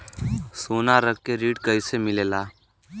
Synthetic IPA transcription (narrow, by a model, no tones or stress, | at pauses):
soːnaɾəkkeɾiːʈkəisemɪleːlaː